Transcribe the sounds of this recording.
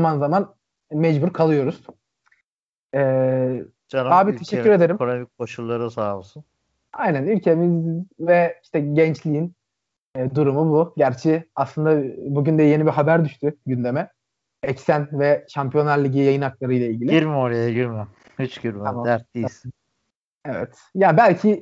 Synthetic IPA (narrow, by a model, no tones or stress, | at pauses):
manzaman | mɛd͡ʒbuɾkʰalˠɯjo̞ɾuz̥ | ɛː | anaːbit̪ʰeʃɛyɾed̪e̞ɾimomikʰo̞ʃulˠːaɾɯsaːmsun | ajnænylʲcʰe̞mizvɛiʃt̪ʰɛɟɛnt͡ʃlʲijinː | d̪uɾumubuɟæɾt͡ʃʰiaslˠɯnd̪abuɟynd̪ɛje̞nibiɦabæɾd̪yʃt̪ʰyɟynd̪e̞mɛ | ɛcsænvɛʃampʰijonːˠaɾlʲiɟijajɯnaklˠaɾɯjlˠailʲɟilʲiiɾmoɾajaɟiɾm | hyt͡ʃɡiɾmamad̪æɾt̪̚d̪ijisɪ | evɛ̰t̪ | jaːbælʲcʰi